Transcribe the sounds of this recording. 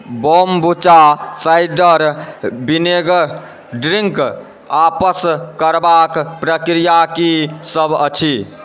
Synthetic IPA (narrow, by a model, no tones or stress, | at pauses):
bombut͡ʃasajɖəɾbineɡ | ɖɾiŋk | apəskəɾbakpɾəkɾijakisəbət͡ʃʰi